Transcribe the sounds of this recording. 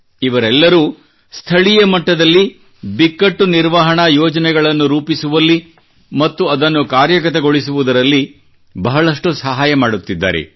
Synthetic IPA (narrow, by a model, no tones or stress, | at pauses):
iʋɐɾɛlːɐɾuː | st̪ʰɐɭijɐmɐʈːɐd̪ɐlːi | bikːɐʈːuniɾʋaɦɐɳɐjɔːd͡ʒɐnɛɡɐɭɐnːuɾuːpisuʋɐlːi | mɐt̪ːuɐd̪ɐnːukaːɾjɐk̬ɐt̪eɡoɭisuʋud̪ɐɾɐlːi | bɐɦɐɭɐʂʈusɐɦaːjɐmaːɽut̪ːid̪ːa̰ːɾḛ